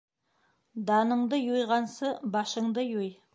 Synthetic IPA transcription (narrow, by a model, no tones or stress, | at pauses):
d̪ɑnəɴd̪əjujʁɑnsəbɑʃəɴd̪əjoj